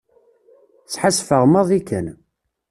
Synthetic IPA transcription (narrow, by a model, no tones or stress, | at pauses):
sħasfəʁməðˤikə̰n